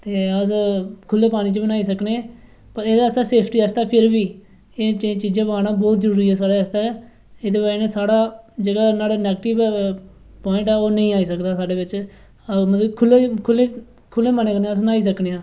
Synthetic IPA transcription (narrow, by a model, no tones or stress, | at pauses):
t̪eːəskʰʊlːeːpaːɽ̃iːt͡ʃbənaːiːsəkneː | pəɾeːd̪aːəst̪aːseːpʰʈiːəst̪aːpʰɪɾbiː | eːt͡ʃẽt͡ʃiːd͡ʒãːbəaːɽaːbɔːt̪zəɾuːɾiːɛːsaːɽaːəst̪aːɛ | eːd̪eːbaːeneːsaːɽaːd͡ʒəɡaːnaːɽeːnɛːɡʈɪʋ | pɔːɪ̃ɳʈɛːoːnəĩːaːiːsəkd̪aːsaːɖeːʋɪt͡ʃ | mət̪ləbkʰʊlːeːkʰʊlːeː | kʰʊlːeːməneːkəɾnẽəsnaːiːs̬əkneːãː